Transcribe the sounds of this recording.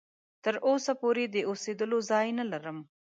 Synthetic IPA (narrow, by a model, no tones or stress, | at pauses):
t̪əɾʔosapoɾed̪əosed̪əlozɑjnalaɾəm